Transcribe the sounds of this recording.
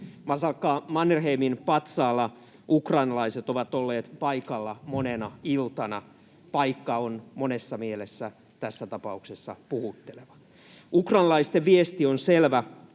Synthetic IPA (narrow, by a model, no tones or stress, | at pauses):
mɑsɑlkːɑːmɑnːerheːminpɑt̪sɑːlːɑ | ʔukrɑinɑlɑiset̪oʋɑt̪olːeːt̪pɑikɑlːɑmonenɑilt̪ɑnɑ | pɑikːɑonmonesːɑmielesːæ | t̪æsːæt̪ɑpɑuksesːɑ̰puhut̪ːeleʋɑ̥ | ukrɑːnɑlɑist̪eʋʋiest̪ionselʋæ